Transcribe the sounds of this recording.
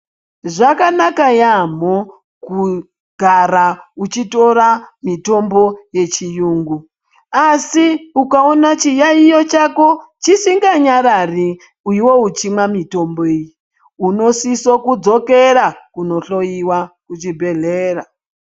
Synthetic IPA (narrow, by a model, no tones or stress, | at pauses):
ʐakanakajam̤o | ku | ɡʱaɾaut͡ʃito̞ɾamito̞mbo̞je̞t͡ʃijuːŋɡu | asiukaonat͡ʃijaijo̞t͡ʃako̞t͡ʃisiŋɡaɲaɾari | uiwo̞ut͡ʃimwamito̞mboeji | uno̞sisokud͡zo̞ke̞ɾakuno̞ɬo̞jiwakut͡ʃibʱe̞ɮeːra